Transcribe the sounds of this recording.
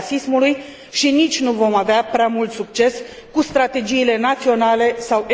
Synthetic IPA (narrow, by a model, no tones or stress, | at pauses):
sismuluj | ʃinit͡ʃʲnuvo̞maveapɾeamult̪suk̚t͡ʃe̞s | kust̪ɾat̪e̞d͡ʒiːle̞nat̪sio̞nale̞saw